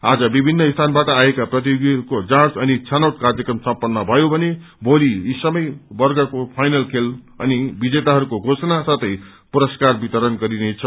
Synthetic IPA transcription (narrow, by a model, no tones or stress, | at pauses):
ad͡zʌbibʱinːʌist̪ʰanbaʈʌajekaprʌt̪̬ijoɡiukod͡zãt͡sʌnit͡sʰanawʈ̚kard͡zjʌkrʌmsʌmpʌnːʌbʱʌjobʱʌne | bʱoliisʌmʌjbʌrɡʌkopʰajnʌlkʰel | ʌ̰nibid͡zet̪aɦʌɾukoɡʱosʌnasʌt̪ʌj | puɾʌskarbit̪ʌɾʌnɡʌɾinet͡sʰʌ